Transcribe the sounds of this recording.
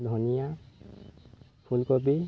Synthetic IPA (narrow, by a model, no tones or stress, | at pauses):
d̪ʱunija | pʰulkɔbi